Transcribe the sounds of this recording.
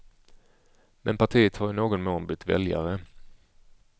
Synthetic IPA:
mʔɛnpʰaʈʰiːət̪haɾjɪnoːɡɔnmoːnbʏt̪ːvɛ̰lja̰ɾə

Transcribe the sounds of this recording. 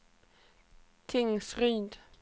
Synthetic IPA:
t̪ʰɪŋsʁyːnd̪

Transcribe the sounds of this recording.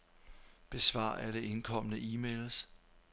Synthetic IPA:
b̥e̝sʋɑ̰̈ːæd̥e̝ʔe̝nkʰɒ̽m̰ənəʔiːmeːls

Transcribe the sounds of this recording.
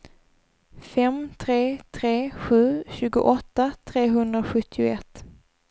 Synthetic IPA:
fɛmt̪ʰɾeːt̪ʰɾeːɧʉ̟ːɕʉ̟ːɡʊ̰ʔɔt̪ːat̪ʰɾeːɦɵnd̪ɾaɧɵt̪ʰːɪʊ̰ɛt̪ː

